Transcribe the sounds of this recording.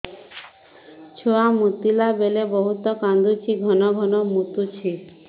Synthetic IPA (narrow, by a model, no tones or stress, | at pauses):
t͡ɕʰoamut̪ilabelebɔɦut̪ɔkand̪ʱut͡ɕʰiɡʱɔnɔɡʱɔnɔmut̪ut͡ɕʰi